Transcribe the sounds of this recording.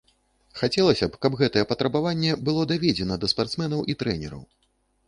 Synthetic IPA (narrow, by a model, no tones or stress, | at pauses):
xat͡sʲɛlˠɐsʲɐpkɐbɣɛt̪ɐjɛpɐt̪ɾɐbavanʲːɛbɨlˠɔd̪avʲɛd͡zʲɛnɐd̪ɐspart̪smɛnɐwʔit̪ɾɛnʲɛɾɐ̰w